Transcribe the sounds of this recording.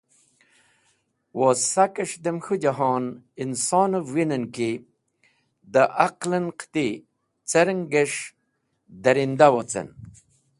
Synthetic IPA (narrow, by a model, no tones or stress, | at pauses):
wosakəʂd̪emxud͡ʑaɦoːn | insoːnovwinənki | d̪əʔaqlənqʰt̪i | t͡seɾəŋɡeʂ | d̪ɐɾind̪awot͡sḛn